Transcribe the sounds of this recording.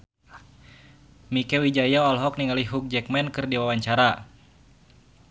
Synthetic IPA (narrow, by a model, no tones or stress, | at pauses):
mikɛwid͡ʒajaɔlɦɔk̚niŋaliɦuk̚d͡ʒɛk̚mɛnkɨrdiwawaɲt͡ʃaɾa